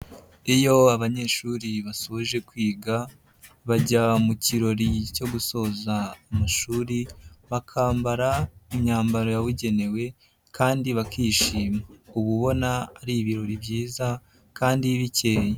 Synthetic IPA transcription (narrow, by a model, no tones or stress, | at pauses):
ijo̞aβaɲe̞ʃuɾiβasoβoʒe̞kwiːɡa | βaɟamuciɾo̞ɾico̞ɡuso̞ːzaːmaʃuːɾiβakʰaːmbaɾaumɲaːmbaɾo̞jawiɟe̞ne̞we̞ | kʰaːndiβakiːʃiːmauβuβo̞naːɾiβiɾo̞ɾibɟiːza | kaːndiβice̞ːje